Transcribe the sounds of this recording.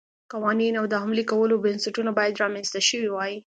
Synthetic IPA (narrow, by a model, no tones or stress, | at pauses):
qawɑninawd̪əɦamlikawəlobɪnsaʈunabɑjad̪ɾɑmenst̪aʃəwiwɑji